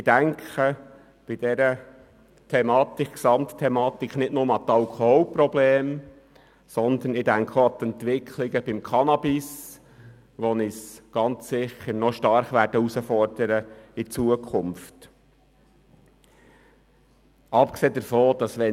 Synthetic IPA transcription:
ɪd̥æŋkχə | b̥id̥̪ɛɾə | t̪ʰɛmɑːt̪ikksɑmttʰːɛmɑːt̪ikχnɪtnʊməɑt̪ɑlkʰɔhɔlpɾɔbleːm | sɔnd̪ənɪdæŋkχəɑt̪ɛnt̪ʋɪkʰlɪɡəb̥ɪmkʰɑnɑbɪs | ʋɔnɪsɡ̥ɑnt͡ssɪçːəɾnɔʃtɑɾχʋæɾd̥əusəfɔɾd̥əɾəit͡suəkʰʊmft | ɑpkseːd̪əɾfoːd̥ɑsʋɛ

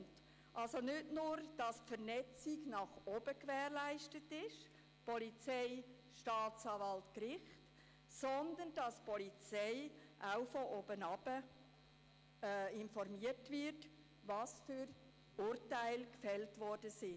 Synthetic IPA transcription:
t | ʔɑlsonʏtnʊːɾd̥ɑsfəɾnɛt͡sɪɡnɑχob̥əkvɛːrlæɪʃtətɪʃ | pɔlit͡seɪ | ʃtɑːt͡sɑːvɑltkɾɪχt | sɔnd̪ənd̥ɑspʰɔlit͡sɛɪʔaʊfɔʔoːbənɑb̥ə | ɪnfɔrmiətvɪɾt | vɑsfʏɾ | ʊːrtaɪlkfɛltvɔɾd̥əsɪ

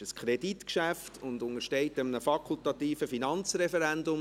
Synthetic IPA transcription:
əskʰɾeditkʃæftʰʊnd̪ʊnəɾʃtɛɪtəmənəfɑkʰʊlt̪ɑt̪iːfəfinɑnt͡srɛfɛɾændʊm

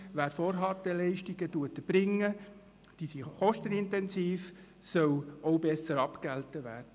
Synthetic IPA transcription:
ʋæːɾfɔːɾɦɑt̪əlɛɪʃtiɡətuətəb̥ɾɪŋːə | d̥isiχɔʃtənɪntɛnsiːf | sœwɔwbɛsəɾɑpkæltəʋæːrdə

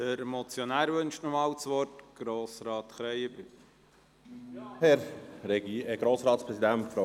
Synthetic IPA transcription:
dəɾmɔt͡sjɔnæːɾʋʏnʃtnɔmɑːlt͡sʋɔrtɡ̥ɾoːsɾɑːt̪χɾɛjəbɪ | hɛɾɾɛɡɡ̥ɾoːsɾɑːtspɾɛsid̪æntfɾo

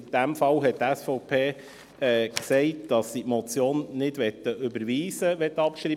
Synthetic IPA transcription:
d̥æmfɑwɦɛttæsfɔʊpʰeː | ɛːksɛɪt̚d̥ɑsːitmɔt͡sjoːnːɪdʋɛt̪ːəʔʏbəɾʋiːsəʋɛt̪ːəɑpʃɾi

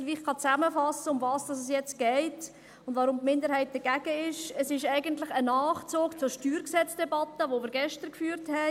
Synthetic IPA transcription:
ʋiːχkɑt͡sæməfɑsəʊmvɑːsd̥ɑs̬əs̬jɛt͡sɡ̥ɛɪt | ʊndvɑɾʊmtmɪndəɾhɛɪt̚d̥əɡæɡəɪʃəsɪʃæɪɡəntlɪχənɑːχt͡soːkt͡sʊɾʃtyːɾksɛt͡sd̥ɛbɑtːəʋomɪːɾɡɛʃtəɾkfyːɾthɛ

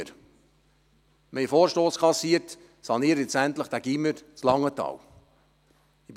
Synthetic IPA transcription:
ɾ | mɛɪfoːɾʃtoːskʰɑsiːəɾt | sɑniːəɾɛt͡sænt̪ləχd̥æɡ̥iməɾt͡slɑŋːətɑ̰ːw | ib

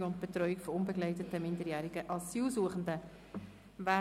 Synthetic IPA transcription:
ʊntb̥etɾɔʏikfɔʊnbəɡlɛɪtətəmɪndəɾjæːɾiɡəʔɑsiːlsuːəχən̩də | væː

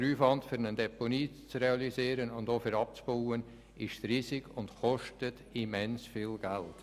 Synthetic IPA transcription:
ɾuːfʋɑntfʏɾnəndɛponiːt͡sreɑliziːɾənʊndofɪɾɑp̚t͡sb̥owən | ɪʃtriːsɪkʰʊndxɔʃtət | imɛnsfilɡ̥ælt

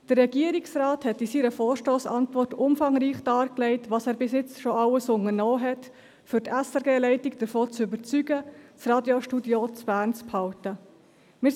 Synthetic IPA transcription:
d̥ərːɛɡiəɾiksrɑːthɛtisiːɾəfɔːɾʃtoːsɑ̰ntvɔrtʊmfɑŋɾiːχd̥ɑːɾklɛɪtʋɑːsæːɾbɪsjɪt͡sʃɔʔɑləsʊŋənɔːɦɛt | fʏɾtʰæsɛɾɡeːlɛɪtɪkd̥əɾfoːt͡sʏbəɾt͡syɡət͡srɑːdjoʃtudjot͡sb̥æːɾnt͡sphɑltə | mɪː

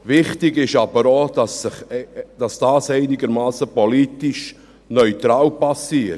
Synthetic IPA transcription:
vɪχtɪɡɪʃɑbəɾod | d̥ɑsd̥aːsɛɪnɪɡəɾmaːsəpɔliːtɪʃ | nœʏtɾaːlpasiːt

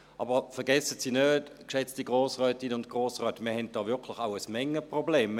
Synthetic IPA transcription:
ʔɑ̰ːbəfɛɐɡɛsətsiːnøːt | kʃɛt͡stiɡʁoːsʁœːtɪnʊntɡ̥ʁoːsʁœːtmiːɐhɛnt̚d̥ɑːvʏɐkʰlɪxaʊəsmɛŋːəpʁobleːm

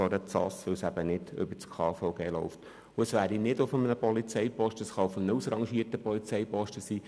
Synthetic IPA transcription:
ɑɾət͡sɑ̰sʋɪsæb̥ənɪdʏ̰bət͡skʰɑːfɔʊɡeːlɔʊft | ʊəsʋæːɾinɪdʊfəmənəpɔlit͡sɛjpɔʃtəsχɑʊfəmnəusɾɑŋʃiːtəpɔlit͡sɛjpɔʃtəsiː

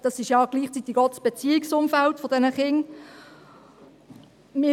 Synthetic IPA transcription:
d̥ɑsɪʃjɑɡ̥liːχt͡sit̪ɪɡ̥ɔt̪ə̥sb̥et͡siːɪksʊmfæltfodɛnəχɪŋ | mɪ

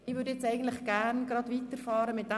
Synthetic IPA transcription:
ɪʋʏɾdəjɛt͡sɛɪɡən̩tlɪχɡ̥ærnɡɾɑdvitəfɑːɾəmɪt̚d̥æ

